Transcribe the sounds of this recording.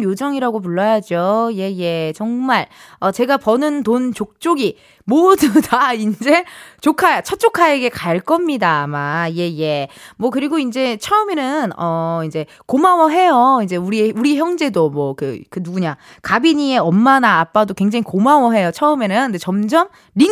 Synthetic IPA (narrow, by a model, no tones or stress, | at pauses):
jod͡ʑʌŋiɾaɡop̬uɭːʌjad͡ʑoje̞je̞t͡ɕʌŋmaɭ | ʌt͡ɕe̞ɡapʌnɯntont͡ɕok̚t͡ɕ͈oɡi | modutaind͡ʑe̞t͡ɕokʰajat͡ɕʰʌt͡ɕ͈okʰaeɡe̞kaɭk͈ʌmɲidamaje̞je̞mwʌkɯɾiɡoind͡ʑe̞t͡ɕʰʌɯme̞nɯnʌind͡ʑe̞ | komawʌɦe̞joind͡ʑe̞uɾieuɾiçjʌŋd͡ʑe̞domwʌkɯ̰kɯnuɡuɲa | kabiɲie̞ʌmːanaːp͈adokwe̞ŋd͡ʑaŋikomawʌɦe̞jot͡ɕʰʌɯme̞nɯndet͡ɕʌmd͡ʑʌm | ɾi